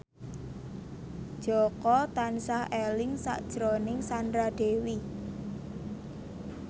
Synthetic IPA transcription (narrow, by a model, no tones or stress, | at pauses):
d̥ʒ̥ɔkɔt̪ansahelɪŋsa̰ʔd̥ʒ̥ɾonɪŋsand̪ɾad̥e̤wi